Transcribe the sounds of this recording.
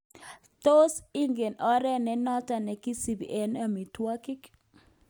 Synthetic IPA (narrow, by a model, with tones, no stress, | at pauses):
to˦si˦ŋɡe˨nʔɔ˦ɾɛ˦nɛ˦nɔ˦ta˨nɛ˨ki˦si˨bḭ˨ʔɛ˨na˦mi˨twa˦kɪ˦k